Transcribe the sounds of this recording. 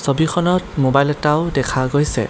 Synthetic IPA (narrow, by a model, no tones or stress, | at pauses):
sobixʰɔnɔtmobajlɛtaʊdɛkʰaɡojsɛ̰